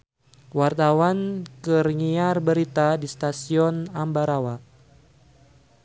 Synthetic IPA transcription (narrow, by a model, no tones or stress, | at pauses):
wart̪awankərŋiarbəɾit̪adist̪asiɔnambaɾawa